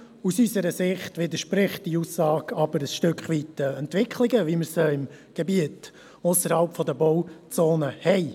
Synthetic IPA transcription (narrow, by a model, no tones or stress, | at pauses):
usysəɾəsɪχtʋɪd̪əɾʃpɾɪχtd̥iuːsːɑːɡɑbəɾəsʃtʏkχʋitːəɛntʋɪkʰlɪɡəʋiməɾsəɪm | ɡ̥ebiət | ʊsəɾhɑlpfɔd̪əbɔwt͡soːnəhɛɪ